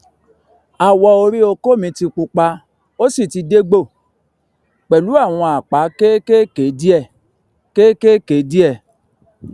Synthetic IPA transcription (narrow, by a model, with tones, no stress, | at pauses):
a˨wɔ˧o˧ɾi˦o˧ko˦˨mĩ˧˦ti˧k͡pu˧k͡pa˧ | o˦si˦˨ti˧de˦ɡ͡bo˦˨ | k͡pɛ˨lu˨˦a˦˨w̃ɔ̃˧a˨k͡pa˨˦ke˦ke˦ke˨˦di˦ɛ˦˨ | ke˦ke˦ke˨˦di˦ɛ˦˨